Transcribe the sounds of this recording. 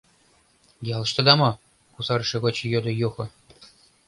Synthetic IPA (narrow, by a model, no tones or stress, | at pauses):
jɑl̆ˠʃt̪ɤ̆d̪ɑmɑ | kusɑɾ̆ʃĕɣot͡ɕijod̪ɤ̆juxɤ̆